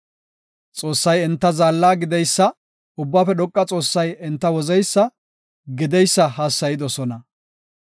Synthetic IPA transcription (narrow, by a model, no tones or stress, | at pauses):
t͡sʼo̞ːsːɐjɪnt̪ːɐzaːlːaːɡɪd̪ɛjsːɐ | ʊbːaːfɛɗ̪ɔkʼːɐt͡sʼo̞ːsːɐjɪnt̪ːɐwɔzɛjsːɐ | ɡɪd̪ɛjsːɐhaːsːɐjɪd̪ɔsɔnɐ